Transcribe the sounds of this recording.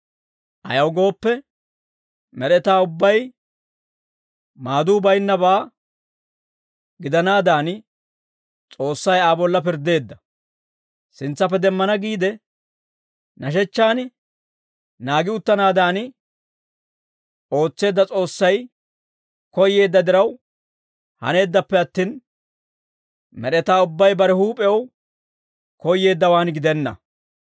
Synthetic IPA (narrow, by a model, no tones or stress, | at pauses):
ʔɐjɐwɡo̞ːpːɛ | mɛɾɛt̪aːʊbːɐj | maːd̪uːbɐjnːɐbaː | ɡɪd̪ɐnaːd̪aːn | t͡sʼo̞ːsːɐjaːbɔlːɐp̬ɪɾd̪e̞ːd̪ːɐ | sɪnt͡sːɐp̬ːɛd̪ɛmːɐnɐɡiːd̪ɛ | nɐʃ̬ɛt͡ʃːaːnɪ | naːɡɪʊt̪ːɐnaːd̪aːnɪ | o̞ːt͡sːe̞ːd̪ːɐt͡sʼo̞ːsːɐj | kɔjːe̞ːd̪ːɐd̪ɪɾɐw | hɐ̰ne̞ːd̪ːɐpːɛɐt̪ːiːn | mɛɗɛt̪aːʊbːɐjbɐɾɛhuːpʼɛw | kɔjːe̞ːd̪ːɐwaːnɡɪd̪ɛnːɐ̰